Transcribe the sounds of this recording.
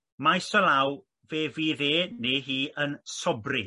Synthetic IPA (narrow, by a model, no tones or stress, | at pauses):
majsɔlaw | veːviːðeːniɦiːʔənsɔbri